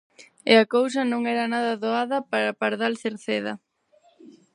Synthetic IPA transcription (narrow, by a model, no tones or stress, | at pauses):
ɪɐkows̬ɐnõŋɛɾɐnaðɐðoaðɐpaɾɐpaɾðalθeɾθeðɐ̰